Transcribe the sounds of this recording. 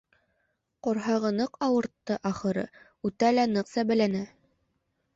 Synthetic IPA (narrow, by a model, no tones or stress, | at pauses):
qŏɾɦɑʁɤnɤqɑwɤ̆ɾt̪ːɤʔɑχɤ̆ɾɤ̰ | ʉt̪ælænɤqsæbælænæ